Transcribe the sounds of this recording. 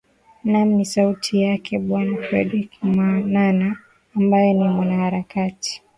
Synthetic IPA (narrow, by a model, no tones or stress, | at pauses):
nam̩nisautʰijakʰɛɓwanafɾɛ̰ɗikmwananaː | mbajɛnimwanahaɾakati̥